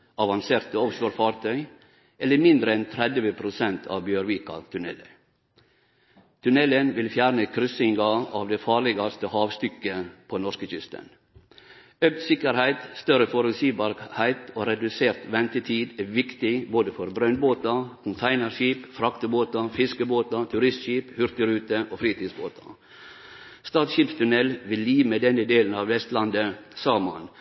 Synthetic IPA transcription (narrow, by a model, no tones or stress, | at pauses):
ʔɑʋɑnseːɾt̪əɔfʃoːɾfɑːɾt̪ʰœʏ | ʔɛlːəɾmɪnd̪ɾəɛnt̪ʰɾɛd̪ʋəpʰɾʊsɛnt̪ʰɑ̰ːʋbjøːɾʋiːkɑ̰t̪ʰʉnɛ̰lə̰ | t̪ʰʉnɛlənʋɪlfjæːɾnəkʰɾʏsɪŋɡɑɑʋd̪ɛfɑːɾɭɪɡɑst̪əhɑːʋst̪ʏkːəpʰoːnɔʂkəçʏst̪ə̰n | øk̚t̪sɪkəɾhæɪt̪st̪œɾəfɔɾʉsiːbɑːɾhæɪt̪oːɾɛd̪ʉseːɾt̪ʋɛnt̪ət̪ʰiːd̪æʋɪkt̪ɪboːd̪əfɔɾbɾœnboːt̪ɑkʰʊnt̪ʰæɪnəɾʃiːpfɾɑkt̪əboːt̪ɑfɪskəboːt̪ɑt̪ʰʉɾɪst̪ʃiːphʏɾt̪əɾʉːt̪əʔoːfɾiːt̪ʰiːd̪sbo̰ːt̪ʰɑ̰ | st̪ɑːt̪ʃiːpst̪ʰʉnɛlʋɪlːiːʋmed̪ɛnːəd̪eːln̩ɑʋʋɛst̪lɑnd̪əsɑːmɑn